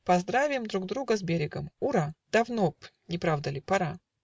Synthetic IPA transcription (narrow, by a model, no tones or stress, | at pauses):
pɐzd̪ɾavʲɪmd̪ɾuɡ̚d̪ɾuɡəzbʲeɾʲɪɡəmuɾad̪̥ɐvnopnʲɪpɾavd̪əlʲɪpɐɾa